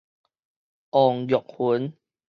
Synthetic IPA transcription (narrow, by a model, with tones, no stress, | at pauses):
ʔɔ˨˩ŋjɔ˨˩k̚hu˨˦n